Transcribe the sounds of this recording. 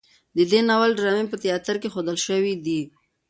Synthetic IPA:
d̪əd̪enawalɖɾɑmempət̪jɑt̪əɾkexod̪əlʃəwid̪i

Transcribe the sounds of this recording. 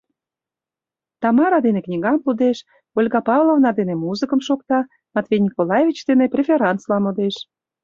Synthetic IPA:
t̪ɑmɑɾɑd̪eneknʲiɣɑmpud̪eʃ | olʲɣɑpɑvlˠovnɑd̪enemuzɨkəmʃok̚t̪ɑ | mɑt̪vejnʲikolˠɑjevʲit͡ɕd̪eneprʲefʲeɾɑnt̪t͡slɑmod̪eʃ

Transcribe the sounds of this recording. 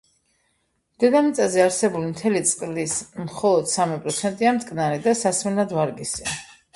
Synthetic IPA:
md̪̥ɛd̪amit̪sʼazɛaɾsɛbulimt̪ʰɛlit̪sʼqʼlismχɔlˠɔd̪̥samipʼɾɔt̪sʰɛnt̪ʼiamt̪ʼkʼnaɾid̪asasmɛnlad̪vaɾɡisia

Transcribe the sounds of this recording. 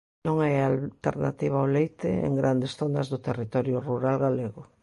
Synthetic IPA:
nõŋajalt̪ḛɾna̰t̪iβ̞aolejt̪ɪḛŋɡɾand̪esθonazðʊt̪erit̪ɔɾjʊruɾalɣaleɣʊ

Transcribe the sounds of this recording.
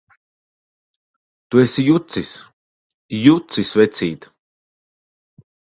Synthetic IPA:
t̪uesijut̪sis | jut̪sisvɛt̪sʲiːt̪

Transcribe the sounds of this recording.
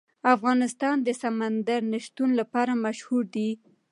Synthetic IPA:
afɣɑnɪst̪ɑnd̪əsamand̪aɾnaʃt̪unlapɑɾamaʃhuɾd̪i

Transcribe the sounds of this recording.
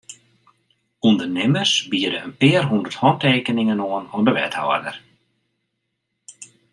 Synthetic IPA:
undərnɪmərsbiədəənpɪərɦundərthɔnteːkənɪŋənoənɔəndəʋɛ̰thɔ̰ə̰rdər

